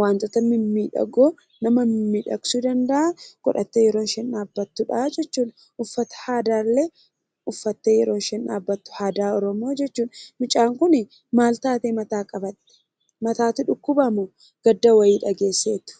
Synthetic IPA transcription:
waːnt̪ʼɔt̪ɐmɪmːiːᶑɐ̰ɡoː | nɐmɐmɪmːiːᶑɐksud̪ɐnd̪ɐʔakɔᶑɐt̪ːeːjɛɾo̞ːnʃɛnaːbːɐt̪ːʊᶑad͡ʒɛt͡ʃːuːn | ʔʊfːɐt̪ɐ̥haːd̪aːlːe | ʊfːɐt̪ːeːjɛɾo̞ːnʃɛna̰ːbːɐt̪ːʊ̥haːd̪aːɔɾɔmo̞ːd͡ʒɛt͡ʃːuːnmɪt͡ʃʼaːŋkʊnɪ | maːlt̪aːt̪eːmɐt̪aːkʼɐbɐt̪ːɛ̥ | mɐt̪aːt̪ʊᶑʊkːʊbɐmo | ɡ̥ɐd̪ːɐwɐjiːᶑɐɡe̞ːsːḛːt̪ʊ̥

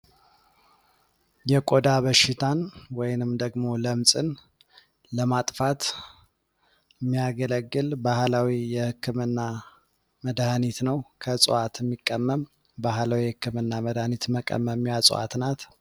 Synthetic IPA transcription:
jɛkʼod̪aβəʃɪt̪ʰanwɔjnɨmd̪əɡmo̞ləmsʼɨn | ləmat̪ʼfat̪ | mːijaɡələɡːɨlbahlawijɛhɨkːɨmɨnːa | məd̪hnit̪nəwkʰəsʼɨ̰ʔat̪ʰjɛmːikʼːəmːəm | bahlawihɨkːɨmɨnːaməd̪hnit̪məkʼə̰məmjasʼṵwa̰t̪nat̪

